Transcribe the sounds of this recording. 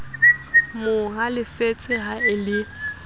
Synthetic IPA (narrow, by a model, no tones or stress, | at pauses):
mʊɦalɪfet͡sʼɪɦaɪlɪ